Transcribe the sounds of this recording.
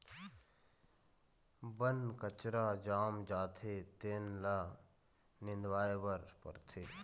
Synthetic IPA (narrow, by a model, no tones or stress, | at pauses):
bənkət͡ʃɾaːd͡ʒaːmd͡ʒaːt̪ʰet̪eːnla | nɪ̃nd̪waːebəɾpə̰ɾt̪ʰeː